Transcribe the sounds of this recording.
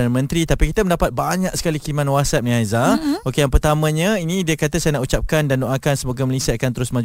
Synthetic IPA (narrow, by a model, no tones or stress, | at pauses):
anəmə̃nt̪ɾit̪apikit̪əmə̃ndapat̪̚baɲãk̚sə̥kalikilimãnwasat̪̚nĩajzaokejaŋpərt̪amə̃ɲə̃inĩdiəkat̪əsajənaʔut͡ʃap̚kandandoʔakansəmoɡaməlesiaakant̪əɾʊsməãd͡ʒ